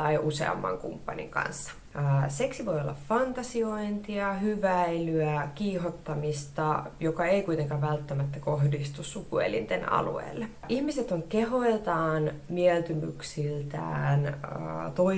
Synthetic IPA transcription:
ɑiusḛɑ̰mːɑ̰ŋkṵmpːɑnḭŋkɑ̰nsːɑ̥ | əːseksiʋo̞jolːɑ̰ffɑnt̪ɑsioint̪iɑhyʋæilyækiːɦot̪ːɑmist̪ɑjokɑeikuit̪eŋkɑːʋʋælt̪ːæmæt̪ːækohdist̪ussukuḛlḭnt̪enɑ̰lṵḛːlːe | ʔihmiset̪oŋkehoelt̪ɑːnmiɛlt̪ymy̰ksilt̪æ̰ːn̰t̪oi

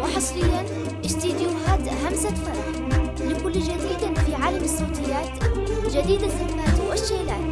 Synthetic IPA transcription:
wɪħɑsˤlɪjːan | ʔɪʃt̪iːd̪juɦaːd̪ɦamsafɑɾˤɑħ | lɪkʊlːd͡ʒad̪iːd̪fiʕaːlamɪsːoːt̪ɪjːaːt̪d͡ʒad̪iːd̪ɪzːahmaːt̪wʔaʃːeːlʔaːl

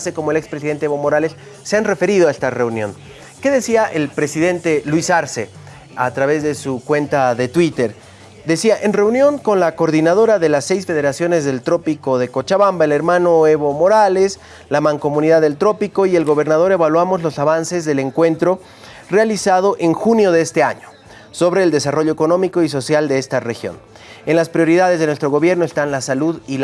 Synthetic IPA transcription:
seko̞moelekspɾes̬iðe̞nt̪eeβomo̞ɾalesː | eanre̞fe̞ɾiðoaest̪are̞unjo̞̰n | ke̞ðe̞siaʔelpɾe̞siðe̞nt̪e̞lwisaɾse | a̰t̪ɾaβe̞zðe̞sukwe̞nt̪aðe̞t̪wit̪eɾ | d̪e̞siaʔe̞nre̞unjo̞ŋko̞nlakoɾðinaðo̞ɾaðe̞lasːe̞jsfe̞ðe̞ɾasjo̞nezðe̞lt̪ɾo̞piko̞ðe̞kot͡ʃaβambaele̞ɾmãno̞eβo̞mo̞ɾale̞s | lamãŋko̞mũniðaðelt̪ɾo̞piko̞ie̞lɣo̞βe̞ɾnaðo̞ɾe̞βalwamo̞zlo̞saβanse̞zðele̞ŋkwe̞nt̪ɾo̞ | realisað̞o̞ʔe̞ŋxunjo̞ðeest̪e̞aɲo̥ | so̞βɾe̞ːld̪e̞saro̞ʎoeko̞no̞miko̞is̬o̞sjald̪e̞est̪arexjo̞̰n | enlaspɾjo̞ɾiðað̞e̞zð̞enwest̪ɾoɣo̞βje̞ɾnoest̪anlasaluðil

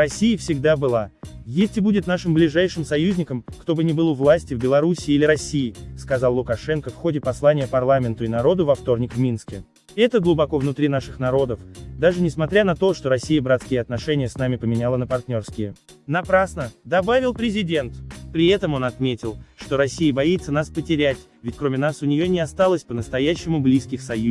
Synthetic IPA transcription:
rɐsʲːijəfsʲɪɡ̚d̪abɨlˠajesʲtʲɪbudʲɪt̪naʂɨmblʲɪʐajʂɨmsɐjuzʲnʲɪkəmkt̪o̞bɨnʲɪbɨlˠʊvlˠasʲtʲɪvbʲɪlˠɐɾusʲɪːilʲɪɾɐsʲːijɪskɐzɑlːˠʊkɐʂɛnkəfxo̞dʲɪpɐslˠanʲɪjəpɐrlˠamʲɪnt̪ʊɪnɐɾo̞d̪ʊvɐft̪o̞rnʲɪkvmʲinskʲɪ | ɛt̪əɡlˠʊbɐko̞vnʊt̪ɾʲinaʂɨxnɐɾo̞d̪əfd̪aʐɨnʲɪsmɐt̪ɾʲanɐt̪o̞ʂt̪o̞ɾɐsʲːijəbɾat̪skʲɪjəɐt̪nɐʂɛnʲɪjəsnamʲɪpəmʲɪnʲalˠənəpɐrt̪ʲnʲo̞rskʲɪjə | nɐpɾasnəd̪ɐbavʲɪlˠpɾʲɪzʲɪdʲe̞nt̪pɾʲɪɛt̪əmo̞nɐt̪mʲetʲɪlˠʂt̪o̞ɾɐsʲːijəbɐit̪sːənaspətʲɪɾʲætʲ | vʲɪtʲkɾo̞mʲɪnasʊnʲɪjo̞nʲɪɐst̪alˠəsʲpənəst̪ɐjæɕːɪmʊblʲiskʲɪxsɐju

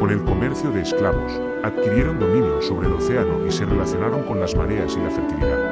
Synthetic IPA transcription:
kone̞lko̞meɾθjoðeːsklaβos | aðkiɾjeɾond̪omĩnjoso̞β̞ɾelo̞θe̞anoʔise̞relaθjo̞naɾo̞ŋko̞nlazma̰ɾeaselafeɾt̪ilḭðað

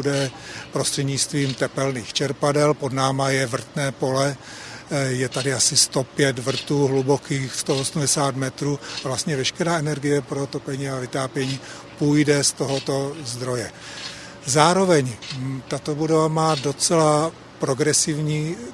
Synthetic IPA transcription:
udɛpɾo̞st̪r̥ɛdɲɪt͡st̪viːmt̪ɛpɛlniːxt͡ʃɛɾpadɛlpo̞dnaːmajɛvr̩t̪nɛːpo̞lɛ | jɛt̪adɪasɪst̪o̞pjɛt̪vr̩t̪uːɦlubokiːxst̪oʔosumdɛsaːt̪mɛt̪ɾuːavlast̪ɲɛvɛʃkɛɾaːɛnɛɾɡɪjɛpɾo̞t̪o̞pɛɲiːavɪt̪aːpjɛɲiː | pujdɛst̪o̞ɦo̞t̪o̞zd̪ɾo̞jɛ | zaːɾo̞vɛɲt̪at̪o̞budovamaːdo̞t͡sɛla | pɾo̞ɡɾɛsɪvɲiː

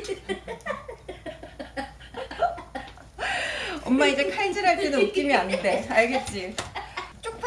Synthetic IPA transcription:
ʌmːaid͡ʑe̞kʰaind͡ʑiɾɦaɭt͈enouk͈imianɯnde̞aɭɡe̞t̚t͡ɕ͈i | t͡ɕ͈ok̚pʰ

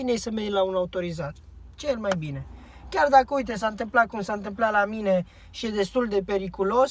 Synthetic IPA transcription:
inejsəmejlaunaut̪o̞ɾizat̪ | t͡ʃeelmajbine̞ | kʲard̪akəujt̪̬əsant̪ɨmplat̪̚kumsaɨnt̪ɨmplalamine̞ | ʃijed̪e̞st̪uld̪e̞pe̞ɾikulo̞s

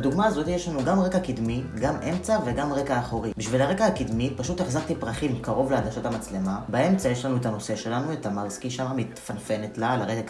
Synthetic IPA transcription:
duɡmaːzo̞t̪ijeʃlanuɡamʁe̞kakidmiɡamʔe̞mt͡save̞ɡamʁe̞kaːχoʁibiʃvilaʁe̞kahakidmipaʃuteχzaʁt̪ipʁaχimkaʁo̞vleadaʃotamat͡sle̞mabae̞mt͡sajeʃlanuetano̞se̞ʃe̞lanue̞tamalskiʃamamit̪fanfe̞netlalaʁe

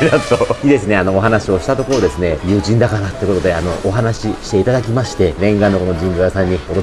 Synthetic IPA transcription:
nat̪oid̪e̞sɨneanoːɦanaɕio̞ɕi̥t̪at̪o̞koɾo̞d̪e̞sɨne̞jɯ̟ːʑĩnd̪akanat̪ːeiɯko̞t̪o̞d̪e̞ano̞ʔoɦanaɕiɕi̥t̪e̞it̪ad̪ak̬ʲimaɕi̥t̪e̞ɾẽ̞ŋɡãnːo̞kono̞d͡ʑĩnbojasãɲ̟ːiod̪o

